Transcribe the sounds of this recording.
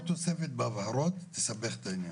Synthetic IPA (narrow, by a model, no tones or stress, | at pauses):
t̪osefet̪̚beavhaɾo̞tt̪ːesabeχet̪ainja